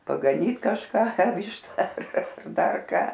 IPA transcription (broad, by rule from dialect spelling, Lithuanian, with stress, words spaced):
pɐɡɐˈnʲiːt kɐʃˈkɐ ˈʋʲiːʃtɐ ɐr ˈdɐr ˈkɑː